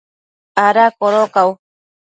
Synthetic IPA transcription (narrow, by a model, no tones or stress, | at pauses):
aɾakoɾokaw